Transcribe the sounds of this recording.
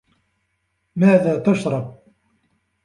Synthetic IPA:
maːðaːt̪aʃɾˤɑb̚

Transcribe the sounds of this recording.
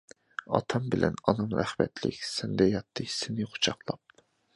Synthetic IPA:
ɑ̰t̪ʰɑmbɪlʔɛ̰nɑnɨmɾæ̰χmɛ̰t̪ʰlɪ̰kʲsɪnd̪ɛjɑt̪ʰːɨsɪnɪqʰʊ̥t͡ʃʰɑqlˠɑp̚

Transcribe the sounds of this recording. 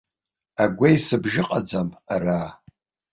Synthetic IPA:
aɡʷejsɨbʒɪqʼad͡zamara

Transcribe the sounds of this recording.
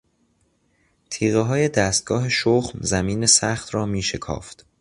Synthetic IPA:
t̪ʰiːɣeɦɒːje̞d̪æːst̪̚ɡ̥ɒːɦe̞ʃoːχmzæmiːne̞sæːxt̪rɒːmiːʃekʰɒ̰ːft̪

